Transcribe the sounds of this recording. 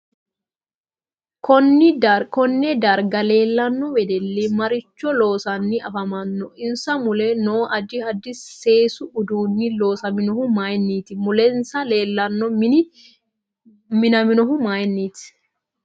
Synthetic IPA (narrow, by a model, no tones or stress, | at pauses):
kɔnkɔnːɛd̪ɐɾɡɐleːlːɐnːɔwɛd̪ɛlːiːmɐɾɪt͡ʃːɔloːsɐnːɪɐfɐmɐnːɔʔɪnsɐmʊlɛnoːʔɐd͡ʒɪhɐd̪ɪsːeːsʊʊd̪uːnːiloːsɐmɪnɔhʊmaːjnːiːt̪ɪmʊlɛnsɐleːlːɐnːɔm | mɪnɐmɪnɔɦʊmaːjnːiːt̪ɪ̥